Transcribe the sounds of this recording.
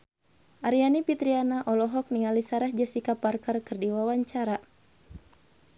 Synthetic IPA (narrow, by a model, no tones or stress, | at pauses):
ʔaɾianipit̪ɾianaʔɔlɔɦɔk̚nialisaɾahd͡ʒasikaparkərkɨrdiwawaɲt͡ʃaɾa